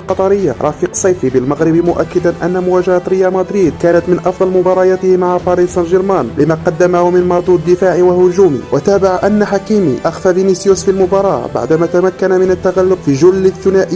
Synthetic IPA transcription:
lqɑt̪ˤɑɾɪjːa̰ɾˤɑ̰fiqsˤɑjfibɪlmaɣɾɪbmʊʔa̰kːɪd̪anʔæ̰nːamʊwæʒahat̪ɾɪjːamɑd̪ɾiːd̪̚kæːnæt̪mɪnʔɑfd̪ˤɑlmʊbɑɾˤɑjat̪ɪhmaʕafɑɾiːd̪sˤɑlʒɪɾmænlɪmaqɑd̪ːamahʊmɪnmɑˤd̪ˤuːd̪̚d̪ːɪfaːʕiwahʊʒuːmḭwat̪aːbaʕʔanːaħakiːmḭʔaxfavinisjusfilmʊbɑɾˤɑːba̰ʕd̪maːt̪amakːanamɪnat̪ːaɣalːʊbfiʒʊlːəθːʊnaːʔi

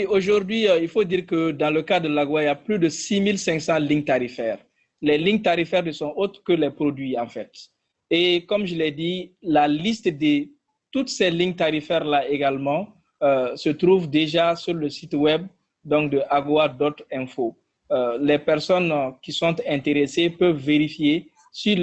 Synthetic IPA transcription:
wioʒuʁd̪ɥiilfod̪iːʁkəd̪ɑ̃ləkad̪əlaɡowailjaplyd̪əsimilsɛ̃ŋksɑ̃liɲt̪aʁifɛːʁ | lɛliɲt̪aɾifɛʁnəsɔ̃ʔot̪ʁkəlɛpɾod̪ɥiɑ̃fɛt̪ | ekɔmʒəlɛd̪ilalist̪d̪e | t̪ut̪sɛliɲt̪aʁifɛʁlaeɡalmɑ̃ | sət̪ɾuvd̪eʒasyʁləsit̪wɛb̚ | d̪ɔ̃kd̪əʔaɡwad̪ot̪ɛ̃fo | lɛpɛʁsɔnkisɔ̃t̪ɛ̃nt̪eʁesepœvveɾifje | sy

